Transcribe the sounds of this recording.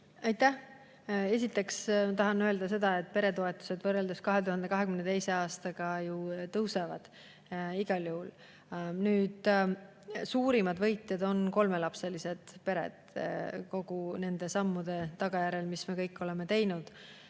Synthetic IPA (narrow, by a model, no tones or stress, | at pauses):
ɑjt̪ːæh | e̞s̬ʲit̪ːˑe̞ksmɑt̪ɑɦɑnøeld̪ɑs̬e̞d̪ɑe̞t̪̚ːˑpe̞ɾe̞t̪o̞e̞t̪ːˑu̥se̞d̪vɤrːeld̪̥uskɑɦe̞t̪uhɑnd̪e̞kɑɦe̞kymnet̪ejse̞ɑːst̪ɑɡ̥ɑjut̪ɤwsevɑd̪̥ | iɡ̥ɑljuhul | nyːd̪̥ | suːɾimɑd̪vɤjt̪ˑjɑd̪o̞nko̞lme̞lɑpse̞lise̞d̪̥pe̞ɾe̞̰d̪̥ko̞ɡ̥une̞nd̪e̞sɑmːud̪̥e̞t̪ɑɡ̥ɑjæɾe̞lmisme̞kɤ̞jkːˑo̞le̞me̞t̪e̞jnud̪̥